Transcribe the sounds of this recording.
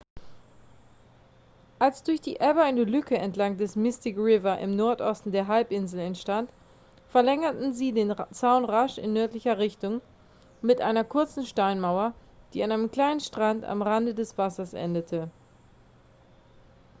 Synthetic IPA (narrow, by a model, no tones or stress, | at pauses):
ʔalsd̥ʊɐçd̥ḭːʔɛbɐɪnəlʏkəɛntlaŋdɛsmɪstɪkʁɪvɐʔɪ̰mnɔɐtʔɔstn̩deːɐɦalpʔɪnzl̩ɛntʃtant | fɛɐlɛŋɐtn̩ziːdeːnt͡saʊnʁaʃɪ̰nːœɐtlɪçɐʁɪçtʊŋ | mɪtʔa̰ɪnɐkʰʊɐt͡sn̩ʃtaɪnmaʊɐd̥iːanaɪnəmkl̥aɪnənʃtʁ̥anta̰mʁandədɛsv̥asɐsʔɛ̰ndətʰə